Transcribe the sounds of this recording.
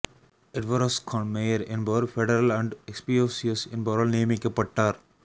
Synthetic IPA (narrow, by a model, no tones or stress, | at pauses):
ɪʈʋɔːɾɐskʰɔ̃ɳmejɐɾɪ̃nbɐɾfɛɖɐɾɐlæ̃ɳɖekspioːsiɐsɪ̃nbɐɾɐlneːmɪkːepːɐʈːaːɾ